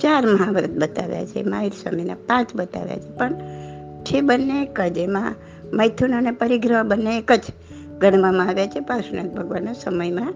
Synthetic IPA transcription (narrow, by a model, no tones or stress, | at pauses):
t͡ʃaɾməɦãʋɾət̪̚bət̪a̰ʋja̰t͡ʃʰḛmaɦiɾsəmina̰pãt͡ʃbət̪a̰ʋja̰t͡ʃʰepəɳ | t͡ʃʰebənːeekəd͡ʒemã̰ | məjt̪ʰunənepəɾiɡɾəɦbənːeːkəd͡ʒ | ɡəɽ̃ʋãmãaʋjat͡ʃʰepasna̰k̪̚bʱəɡʋanasəməjmã